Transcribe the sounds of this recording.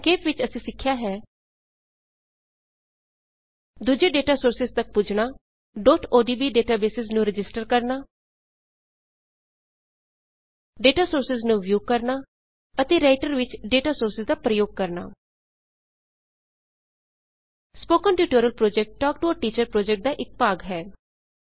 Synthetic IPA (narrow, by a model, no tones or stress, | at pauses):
keːpʋɪt͡ʃəsĩːsɪkʰːjaːɦɛː | d̪ʊd͡ʒeːɖeːʈaːsoːɾsɪzt̪ək̚pʊd͡ʒɳaː | ɖɔːʈoːɖiːbiːɖeːʈaːbeːsɪznũːɾɪd͡ʒɪsʈəɾkəɾnaː | ɖeːʈaːsoːɾsɪznũːʋjuːkəɾnaː | ət̪eːɾaːɪʈəɾʋɪt͡ʃɖeːʈaːsoːɾsɪzd̪aːpɾəjoːɡ̚kəɾna̰ː | spoːkənʈuːʈoːɾəlpɾoːd͡ʒɛk̚ʈːɔːk̚ʈuəʈiːt͡ʃəɾpɾoːd͡ʒɛk̚ʈ̚d̪aːʔɪk̚paːɡɦɛː